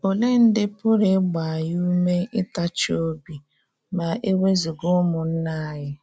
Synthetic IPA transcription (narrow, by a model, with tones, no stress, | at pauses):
o˨le˦n̩˦dɪ˦pʊ˦ɾɪ˦ɡ͡ba˨a˨ju˦u˦me˦ɪ˦ta˦t͡ʃɪ˦o˦bi˨ | ma˨ʔe˦we˦zi˨ɡʊ˦mʊ˨n̩˦na˦a˨ɣɪ˦